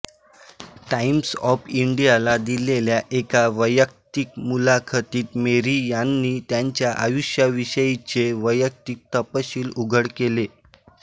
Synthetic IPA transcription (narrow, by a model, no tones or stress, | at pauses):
ʈaimsɔfiɳɖijalad̪ileljaʔekaʋəjək̚t̪ik̚mulakʰat̪iːt̪meɾijanːiːt̪jaɲt͡ɕjaʔajuɕjaʋiɕəjit͡ɕeʋəjək̚t̪ik̚t̪əpəɕiːluɡʱəɽkele